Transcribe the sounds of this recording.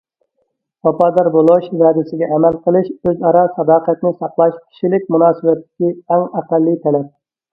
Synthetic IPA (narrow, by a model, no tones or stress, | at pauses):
pɑpɑːd̪ɑɾbolˠoʃvæːd̪ɪsɪɡʲɛʔɛmælqəlˠɨʃøzɑɾɑsɑd̪ɑːqæt̪nɪsɑqlˠɑʃkʲʰi̥ʃilɪk̚ʲmunɑːsɨbɛt̪ʰːɪ̥kʲiæŋæqælːit̪ʰɛlɛp̚